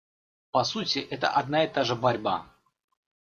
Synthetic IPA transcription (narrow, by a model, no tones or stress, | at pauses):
pɐsutʲɪʔɛt̪ə̰ʔɐd̪naɪt̪aʐɨbɐɾʲba̰